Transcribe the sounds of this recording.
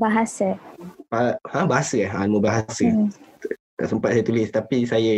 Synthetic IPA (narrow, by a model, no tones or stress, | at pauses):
baɦasəpahãbaɦasəaa̰nməbaɦasə | a̰ʔsəmpat̪̚sajət̪ulɪst̪apisajə